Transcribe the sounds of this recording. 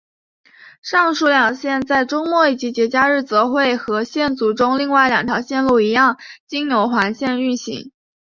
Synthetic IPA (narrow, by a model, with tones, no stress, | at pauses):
ʂɑ˥˩˧ŋʂu˧˥ljɑ˨˩ŋɕjɛ˥˧nt͡sa˥˩ɪʈ͡ʂʊ˥ŋmwɔ˥˩i˨˩t͡ɕi˧˥t͡ɕjɛ˧˥t͡ɕja˥ɻɻ̩˥˩t͡sɤ˧˥xwe˥˩ɪxɤ˧˥ɕjɛ˥˩nt͡su˧˥ʈ͡ʂʊ˥ŋli˥˧ŋwa˥˩ɪljɑ˨˩ŋt̪ʰjɑ˧˥ɕjɛ˥˧nlu˥˩i˧˥jɑ˥˩ŋt͡ɕi˥ŋjo˧˥ʊxwa˧˥nɕjɛ˥˧ny˥˩nɕḭ˧˥ŋ